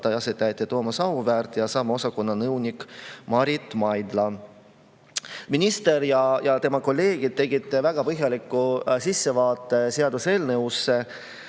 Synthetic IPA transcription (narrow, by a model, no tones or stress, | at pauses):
t̪ːɑjɑset̪ːæjt̪ːˑet̪oːmɑsɑvuvæːrt̪ːˑjɑsɑːmɑo̞sɑko̞nːɑnɤwnʲikmɑɾit̪ːˑmɑjd̪lɑ | minʲist̪e̞ɾjɑjɑt̪e̞mɑko̞lːe̞ːɡ̥id̪̚t̪ːe̞ɡit̪ːevæɡ̥ɑpɤɦjɑlikːˑusisːe̞vɑːt̪ːˑe̞se̞ɑd̪use̞ːlnewsːe̞